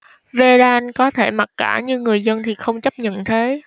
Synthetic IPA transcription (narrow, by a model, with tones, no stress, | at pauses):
ve˧zaː˧nkɔ˨˦t̪ʰe˧˩ma˨˩t̚kaː˧˩ɲɨ˧ŋɨ˨˩əjzə˧nt̪ʰi˨˩xə˧wŋ͡mt͡ɕə˦˥p̚ɲə̰˧˨nt̪ʰe˨˦